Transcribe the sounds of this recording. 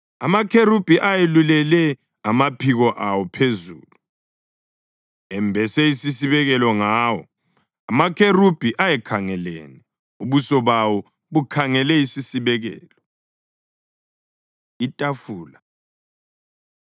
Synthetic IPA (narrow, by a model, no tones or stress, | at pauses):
amakʰerub̥ʱiʔajelulɛlɛ | amapʰiɣɔʔawɔpʰezṵːlu | ɛmbʱɛsɛisisiβɛɣɛlɔŋawɔ̰ | amakʰerub̥ʱiʔajɛkʰaŋɛlḛːnɛ | uβusɔβawɔ | βukʰaŋɛlɛisisiβɛɣɛ̰ːlɔ | itʼafuːla